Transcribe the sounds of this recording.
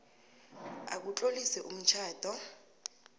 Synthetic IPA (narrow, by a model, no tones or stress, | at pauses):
a̰k̬ut͡ɬʼolisɛʔum̩t͡ʃʰaːd̥ʱɔ